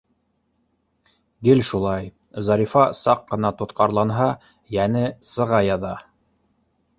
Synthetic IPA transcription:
ɡɘlʃulˠɑj | zɑɾʲifɑsɑqːɤ̆nɑt̪ŏt̪qɑɾlˠɑnɦɑ | jænɘsɤ̆ʁɑjɑðɑ

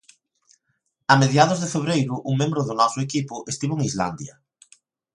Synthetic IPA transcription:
ameðjaðʊzðefeβ̞ɾejɾʊʔuŋmẽmbɾʊðʊnɔsʊekipʊʔest̪iβoeŋizla̰nd̪jɐ

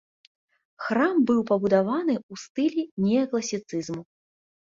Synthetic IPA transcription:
xrambɨwpɐbud̪avanɨust̪ɨlʲinʲɛɐklˠɐsʲit̪sɨzmu

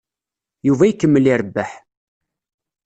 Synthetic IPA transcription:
juvæjəkːəmːəlɪɾəbːaħ

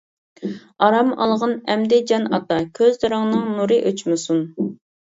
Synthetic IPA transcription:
ɑɾɑmɑ̰lˠʁɑnɛmd̪ɛd͡ʒɑnɑ̰t̪ɑkʲʰøzd̪ɨɾɨŋnɨŋnuɾɨʔøt͡ʃmɪsun

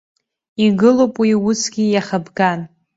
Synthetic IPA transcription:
iɡɨlopʼwiʊsɡʲijaχabɡan

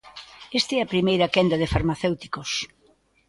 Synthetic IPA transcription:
est̪ɛɐpɾimejɾɐkɛnd̪ɐðɪfaɾmaθewt̪i̥kos

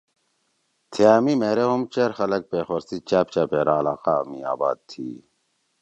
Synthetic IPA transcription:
t̪ʰeaːmimeːɾeɦomt͡ɕeɾxɐlɐk̚peːxɐɾsit͡ɕaːp̚t͡ɕapeːɾaːlaːqamia̰ːba̰ːd̪̚t̪ʰi

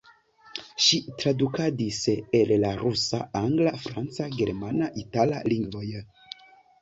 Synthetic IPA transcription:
ʃitɾadukadisellaɾusaaŋɡlafɾant͡saɡe̞ɾmanaʔitalaliŋɡvo̞j

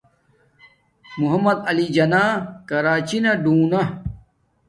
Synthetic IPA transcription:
muɦɐmːɐd̪ɐlid͡ʑɐnaːkɐɾaːt͡ɕinɐɖuːnɐ

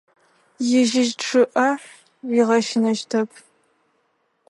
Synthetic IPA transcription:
jɪʒɪʒʈ͡ʂʰɨʔɐħ | wiʁɐʃɪnɐʒtʰɐpʰ

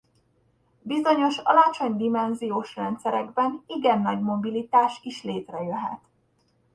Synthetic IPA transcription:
bizo̞ɲo̞ʃɒlɒt͡ʃo̞ɲd̪imɛnzijoːʃrɛnt̪sɛɾɛɡbɛniɡɛnːɒɟmo̞bilit̪aːʃiʃleːt̪rɛjøɦɛ̰t̪

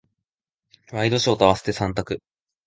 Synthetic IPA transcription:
βaid̪o̞ɕiot̪aβase̥t̪e̞sãnt̪̬akɯ̟

